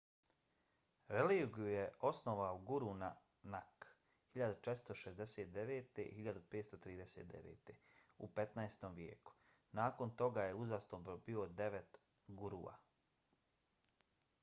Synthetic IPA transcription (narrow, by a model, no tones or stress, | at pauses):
ɾeliːɡijujeosnoʋaoɡuɾuna | nak | hiʎad̪ut͡ʃet̪st̪o̞ʃezd̪eseːt̪̚d̪eʋeːt̪ḛihiʎad̪upeːt̪st̪ot̪ɾiːd̪eseːt̪̚d̪ḛʋḛːt̪eṵpe̞t̪naest̪o̞mʋjḛːku̥ | naːko̞nt̪o̞ɡajeuzast̪obobio̞d̪eʋet̪ | ɡuɾuːa̰